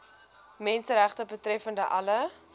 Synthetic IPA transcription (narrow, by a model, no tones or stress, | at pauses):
mɛnsəɾæχtəbətrɛfəndəʔɐlə